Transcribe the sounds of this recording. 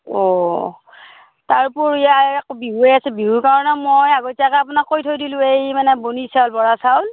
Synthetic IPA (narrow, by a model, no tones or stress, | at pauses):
ɔ | taɹpʊɹijakbiɦuejasɛbiɦuɹkaɹɔnamojaɡojtakaapʊnakːojtʰojdilʊ̃ejmanɛbonisaʊlbɔɹasawl